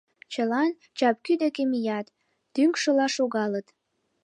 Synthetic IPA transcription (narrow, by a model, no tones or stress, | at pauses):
t͡ɕəlɑn | t͡ɕɑp̚kyd̪ekemijɑt̪ː | yŋkʃəlɑʃoɣɑlət̪